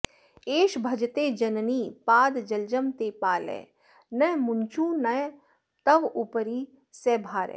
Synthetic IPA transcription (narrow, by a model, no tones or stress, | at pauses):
eːʃbʱɐd͡ʒt̪ed͡ʒɐnniːpaːd̪d͡ʒɐld͡ʒəmt̪eːpaːlɛ̰ː | nɐmʊnt͡ʃũːnɐj | t̪ɐʋupəɾiː | sɛbʱaːɾɛ̰